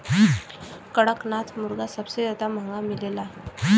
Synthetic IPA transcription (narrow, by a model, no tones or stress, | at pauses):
kəɽəknat͡smuɾɡasəbsed̪at̪am̤ãŋɡamilela